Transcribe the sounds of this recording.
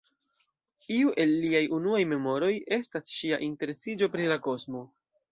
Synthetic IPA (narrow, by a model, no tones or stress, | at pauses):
iuʔe̞lːiajunuajme̞mo̞ɾo̞je̞stasʃiaʔinte̞ɾe̞sid͡ʒo̞pɾilako̞smo̞